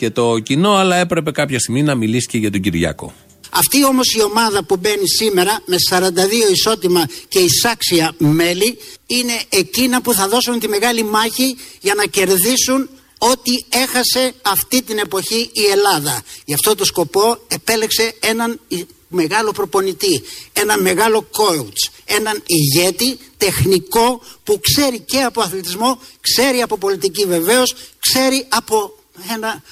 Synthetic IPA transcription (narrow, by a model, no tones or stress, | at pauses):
ce̞t̪o̞cino̞ɐlɐe̞pɾe̞pe̞kɐpçɐst̪iminɐmilisi̥ceʝɐt̪oɟiɾʝɐ̰ko̞̰ | ɐ̰ft̪io̞mo̞sio̞mɐðɐpube̞nisime̞ɾɐme̞sɐɾɐnd̪ɐðio̞iso̞t̪imɐce̞isɐksiɐme̞liine̞ecinɐpuθɐðo̞sunt̪ime̞ɣɐlimɐçiʝɐnɐce̞ɾðisun | o̞t̪ie̞xɐse̞ɐft̪it̪ine̞po̞çiie̞lɐðɐʝɐft̪o̞t̪osko̞po̞e̞pe̞le̞kse̞e̞nɐn | me̞ɣɐlo̞pɾo̞po̞nit̪ie̞nɐme̞ɣɐlo̞ko̞ut͡se̞nɐniʝe̞t̪it̪e̞xniko̞pukse̞ɾice̞ɐpo̞ɐθlet̪izmo̞kse̞ɾiɐpo̞po̞lit̪icive̞ve̞o̞skse̞ɾiɐpo̞ | e̞nɐ